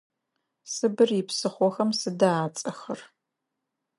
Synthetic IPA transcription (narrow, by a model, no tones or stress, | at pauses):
sɨbɨrjɪpsɨχʷɔxɐmsɨdaaːt͡sʼɐxɐr